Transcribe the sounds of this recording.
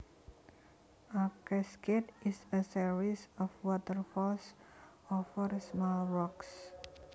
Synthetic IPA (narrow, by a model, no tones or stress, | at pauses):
ʔakɛsket̪ɪsəsiɹisɔfwɔt̪ərfɔls | ɔfərsmɔlrɔks